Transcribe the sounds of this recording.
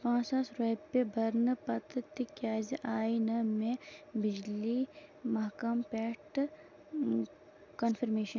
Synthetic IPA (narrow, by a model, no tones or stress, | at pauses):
pãːsasɾeːpːebʱɐɾnɨpɐt̪t̪ikjaːziʔaːjnɐmẽbɪd͡ʒlimɐɦkɐmpɛːʈ | kɐnfʰiɾmeːʃɐn